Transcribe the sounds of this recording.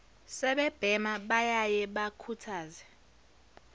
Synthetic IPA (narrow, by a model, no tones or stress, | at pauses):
sɛɓɛb̥ʱɛmaɓajajɛɓakʰutʰaːzɛ